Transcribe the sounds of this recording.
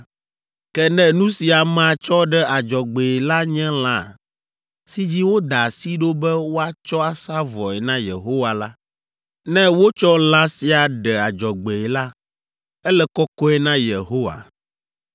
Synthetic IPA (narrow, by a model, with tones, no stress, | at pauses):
kɛ˦nɛ̃˨nũ˦si˨a˨mã˨t͡ʃɔ˦ɖɛ˦a˨d͡ʒɔ˨ɡ͡be˨ɛ˨la˦ɲɛ̃˦l̃ã˨ | si˦d͡ʑi˦wo˦d̪a˨si˦ɖo˦bɛ˦wo˦a˦t͡ʃɔ˦a˨sa˦vɔ˨ɛ˨nã˦jḛ˨ɦo˦wa˨la˦ | nɛ̃˦wo˦t͡ʃɔ˦l̃ã˦si˨˦a˨ɖɛ˨a˨d͡ʒɔ˨ɡ͡be˨ɛ˨la˦ | ɛ˦lɛ˦kɔ˦kɔ˦ɛ˦nã˦je˨ɦo˦wa̰˨